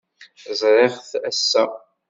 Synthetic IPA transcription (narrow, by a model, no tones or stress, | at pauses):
zˤɾˤeʁθæsːæ